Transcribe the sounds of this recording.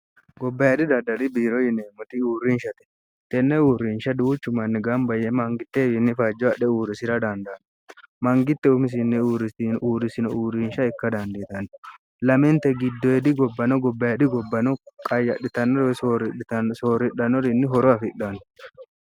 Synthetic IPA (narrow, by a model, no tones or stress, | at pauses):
ɡɔbːɐjad̪ɪd̪ɐd̪ɐlɪbiːɾɔjɪneːmʊt̪ɪuːɾːinʃɐt̪ɛ̥ | t̪ɛnːɛuːrːinʃɐd̪uːt͡ʃːʊmɐnːɪɡɐmbɐjɛmɐŋɡɪt̪ːefɪnːɪfɐd͡ʒːɔɐɗɛuːɾɪsɪɾɐd̪ɐnd̪an | mɐŋɡɪt̪ːɛʊmɪs̬ɪnːɛuːɾɪʔuːɾɪsɪnɔuːɾiːnʃɐɪkːɐd̪ɐnd̪eːt̪ɐn | lɐmɛnt̪ɛɡɪd̪ːɔɛd̪ɪɡɔbːɐnɔɡɔbːɐjɐd̪ɪɡɔbːɐnɔkʼɐjɐɗɪt̪ɐnːɔɾsoɾɪsoːɾɪᶑɐnːɔɾɪnːɪɦɔɾɔɐfɪɗɐnʊ̥